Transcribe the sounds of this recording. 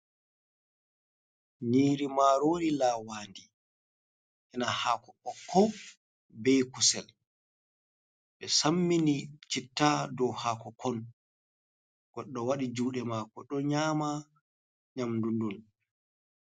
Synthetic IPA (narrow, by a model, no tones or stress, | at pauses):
niːɾimaɾoːɾilaːwaːndi | hɛnahaːkɔɓɔkʰɔ | bɛjkusɛl | ɓɛsamːinit͡ʃitːadɔwhaːkɔkʰɔn | ɡ̥ɔɗːɔwaɗid͡ʒuːɗɛmaːkɔɗɔɲaːma | ɲamdundul